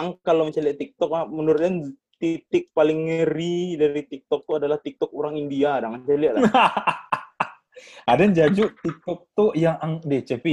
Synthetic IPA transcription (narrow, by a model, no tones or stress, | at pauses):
aŋkaloməɲt͡ʃaliaʔt̪ik̚t̪ɔk̚amənuɾʊt̪̚ɲan | t̪it̪ɪk̚palɪŋːəɾidaɾit̪ik̚t̪ɔk̚t̪uadalaht̪ik̚t̪ɔk̚uɾaŋindiadaŋaɲt͡ʃaliaʔl | adɛɲd͡ʒad͡ʒuʔt̪ik̚t̪ɔk̚t̪ujaŋaŋdɛht͡ʃepi